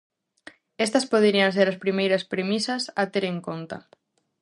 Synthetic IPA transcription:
est̪ɐspoð̞eɾiɐns̬eɾaspɾimejɾɐspɾemisasat̪eɾeŋkont̪a̰

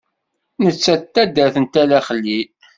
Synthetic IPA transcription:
nət͡sːæt̪ːæd̪æθənt̪ælæχəlːi

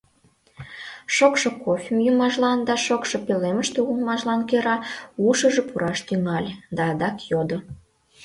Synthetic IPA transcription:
ʃokʃŏkofʲimjumɑʒlɑnd̪ɑʃokʃŏpeleməʃt̪uɣumɑʒlɑnkeɾɑuʃə̆ʒĕpuɾʔɑʃt̪yŋɑlʲd̪ɑːd̪ɑkjod̪ŏ

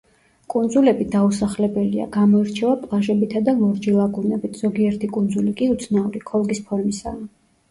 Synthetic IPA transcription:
kʼund̪zulɛbid̪ausaχlɛbɛlia̰ɡamɔiɾt͡ʃʰɛvapʼlˠaʒɛbit̪ʰad̪alˠɔɾd͡ʒilˠaɡʼunɛbit̪ʰz̥ɔɡiɛɾt̪ʰikʼund̪zulikʼiut̪sʰnauɾikʰɔlˠɡispʰɔɾmisa̰ː

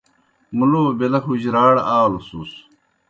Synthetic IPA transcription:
muloːbelɐxuʑɾaːɽaːlusus

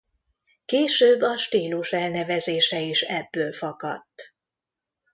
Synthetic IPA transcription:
keːʃøːbːɒʃt̪iːluʃɛlnɛvɛzeːʃɛiʃɛbːøːlfɒkɒt̪ː

